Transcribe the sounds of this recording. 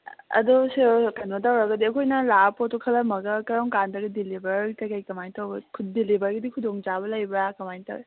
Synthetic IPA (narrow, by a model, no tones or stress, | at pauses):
ɐ̰dɔsekanmɐtawɾɐɡɐdiɐkʰojnɐlapotɔkʰɐlɐmɐɡɐkɐɾɔŋkandɐɡɐdilibɐɾkajkajkɐmajtawbɐkʰudilibɐɾɡɐdikʰudoŋd͡ʒaβɐlɐjbakɐmajtɐ̰we